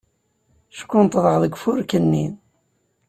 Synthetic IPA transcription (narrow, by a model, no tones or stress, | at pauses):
ʃə̥kːʊnt̪ˤðˤəʁðəɡʷfʊɾkənːḭn